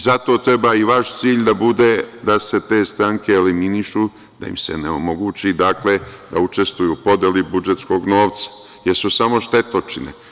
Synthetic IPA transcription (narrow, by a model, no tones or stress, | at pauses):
zat̪o̞ːt̪ɾe̞baːiʋaʃt̪siːʎd̪abud̪e̞d̪ase̞t̪e̞ːst̪ɾaŋkeːliminiʃu | d̪̥a̰ḭmse̞̰neo̞mo̞ɡuːt͡ɕid̪akle̞d̪aut͡ʃe̞st̪ʋujuːpo̞d̪jelibud͡ʒe̞t̪sko̞ɡno̞ːʋt̪sḁ | jeɾsusamo̞ʃt̪e̞t̪ot͡ʃinḛ